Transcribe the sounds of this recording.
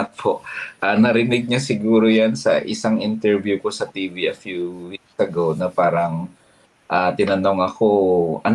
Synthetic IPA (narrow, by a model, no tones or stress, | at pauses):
ɐt̪̚pʰoʔʔɐnɐɾɪnɪɡ̚ɲɐsɪɡuːɾojansɐ̰ʔɪsaŋʔɪnt̪ɛɹvjuko̞sɐt̪iːviʔɐfjuwik̚sɐɡownɐpaːɾɐŋ | ʔat̪ɪnɐno̞ŋɐkoʔɐn